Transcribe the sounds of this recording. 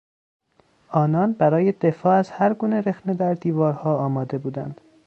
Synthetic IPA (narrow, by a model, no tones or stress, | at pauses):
ɒːnɒːnbæɾɒːje̞d̪e̞fɒːæzhæɾɡuːneɾexne̞d̪æɾd̪iːvɒːɾhɒːɒːmɒːd̪e̞buːd̪æ̰nd̪̥